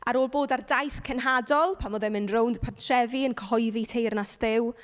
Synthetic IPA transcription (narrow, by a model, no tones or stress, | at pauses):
aɾoːlˠboːdardajθkʰɛnɦadɔlˠpʰanoðɛmənrownd̥pʰatʰrɛviənkʰəɦɔjðitʰejrnasðɪw